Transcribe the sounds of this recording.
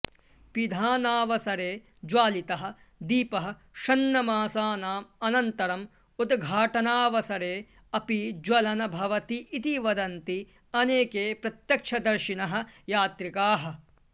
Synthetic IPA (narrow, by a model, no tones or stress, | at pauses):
pid̪ʱaːnaːʋɐsɐɾeː | d͡ʒwaːlit̪ɐɦɐ̆ | d̪iːpɐɦɐ̆ | ʃɐnːɐmaːsaːnaːmɐnɐnt̪ɐɾɐm | ud̪ɡʱaːʈɐnaːʋɐsɐɾeː | ɐpid͡ʒwɐlɐnɐbʱɐʋɐt̪iʔːt̪iʋɐd̪ɐnt̪i | ɐneːkeːpɾɐt̪jɐkʂʰɐd̪ɐɾʃinɐɦɐ̆jaːt̪ɾikaːɦɐ̆